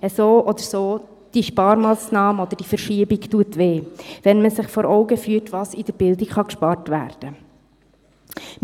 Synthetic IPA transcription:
əsoːʔɔd̪əɾsoː | d̥iʃpɑːɾmɑːsnɑːmɔd̥̪əɾd̥ifəɾʃiəbiktuətʋeːʋɛnməsɪχfɔɾʔɔʊɡəfyətʋɑsɪd̥əɾb̥ɪldɪkχɑkʃpɑːrtʋæ̰ːɾd̥ə | m

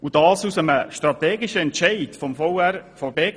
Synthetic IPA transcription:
ud̥ɑːsusəməʃt̪ɾɑt̪ɛːɡiʃəɛntʃɛɪtfɔmfɔwærfɔbe

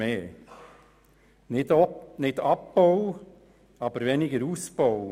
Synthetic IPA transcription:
eː | nɪnɪdɑpːɔw | ɑbəɾʋɛnɪɡəɾusbɔw

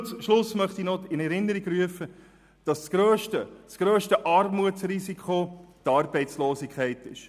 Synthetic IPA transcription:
t͡smʃlʊsmœχtinɔɪnɛɾɪnːəɾiɡɾyəfə | d̥ɑsɡ̥ɾøːʃtəsɡ̥ɾøːʃtəʔɑrmuətsrisikʰχotɑːɾbɛɪtt͡sloːsɪkʰχɛɪtɪ̰ʃ

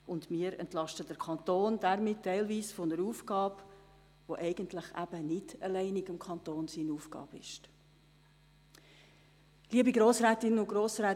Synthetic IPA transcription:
ʔʊndmiːəɾɛ̰ntlɑʃtəd̥əɾkʰɑntoːnd̥ɛɾmɪtʰːɛɪlviːsfʊnəɾuːfɡ̥ɑːb | voʔɛɪɡ̥əntlɪχæ̰b̥ənɪdəlɛɪniɡɪmkʰɑntoːnsiːnuːfɡ̥ɑ̰ːbɪ̰ʃt | liəbiɡɾoːsɾɛːtɪnəʊɡ̥ɾoːsɾɛː

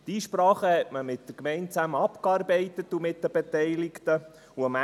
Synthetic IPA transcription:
d̥iːʃpɾɑːχəhɛtməmɪt̚d̥̪əɾkmɛɪnt͡sæməɑpkɑːɾbɛɪtətumɪt̚d̪əbɛtɛɪlɪktə | uəmæ

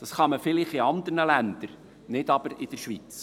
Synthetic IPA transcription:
d̥ɑsχɑməfɪlɪχɪɑnd̪əɾnəlænd̥̪əɾ | nɪdɑb̥əɾɪd̥əɾʃʋit͡s

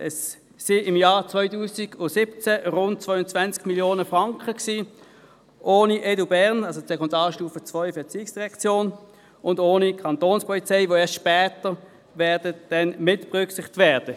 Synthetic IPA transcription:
ʔɛsː | iɪmjaːt͡svɔʏtuːsiɡ̥ʊsɪpt͡sæʁʊnt̚t͡svœʏʊnt͡svænt͡skmiljoːnəfʁɑŋkχəksiː | ʔoːniʔɛdubɛʁnɑlsosɛkʰɔndɑːʃtuːfət͡sʋœʏfɛɐt͡siːɪksd̥iʁɛkt͡sjoːn | ʊndoːnikʰɑntoːnspʰɔlit͡sɛɪvʋoɛːɐstt͡ʃʃpɛːtəʁ | vɛːɐd̥əd̥ɛnmɪtbʁʏksɪχtvɛːɐd̥ə

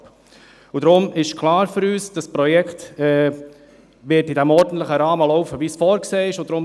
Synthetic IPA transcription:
p | ud̥ɾʊmɪʃkʰlɑːɾfʏɾyːsd̥ɑspɾɔjɛktɛː | vɪtɪdɛmɔɾdn̩tləχəɾɑːməlɔʊfəviːsfɔːɾkseːɪʃʊdɾʊm

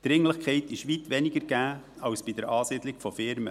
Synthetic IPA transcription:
d̪̥ɾɪŋləχkʰɛɪtɪʃʋitʋɛnɪɡəɾɡ̥æː | ɑwsb̥id̥əɾɑːsɪd̪lɪɡfɔfɪɾmə̰

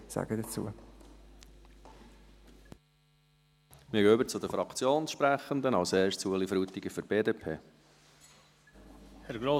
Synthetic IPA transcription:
sa̰ɡədət͡sṵə | mɪɡʏbəɾt͡sʊd̪əfɾɑkʰt͡sjoːnsʃpɾæχənd̪ənɑʊsɛːɾstt͡suəlifɾuːt̪iɡəfyɾb̥eːdeːpʰḛː | hɛɾɡɾoː

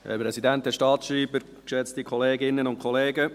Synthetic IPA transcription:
ɛ̰pɾɛsidænt̪̚ɛʃtɑːtʃɾiːbəɾ | kʃɛt͡stikχɔleːɡɪnːənʊntkʰχɔleːɡə

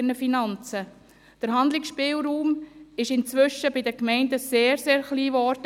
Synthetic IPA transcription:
nəfinɑnt͡sə | d̥əɾɦɑnd̪lɪksʃpɪːlɾuːmɪʃɪnt͡sʋʏʃəbɪdəkmɛɪndəseːɾseːɾχliːvɔɾd

